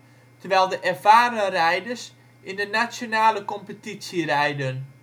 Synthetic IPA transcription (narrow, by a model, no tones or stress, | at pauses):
tərʋɛjlˠdəʔɛrfaːɾərɛjdərs | indənasjonaːləkɔmpətisjirɛjdən